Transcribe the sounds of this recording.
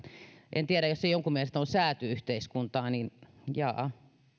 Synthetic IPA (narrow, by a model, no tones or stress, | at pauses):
ʔḛnt̪iæɾæjosːejoŋkummielest̪onsæːt̪yyht̪eiskunt̪ɑːninjɑ̰ː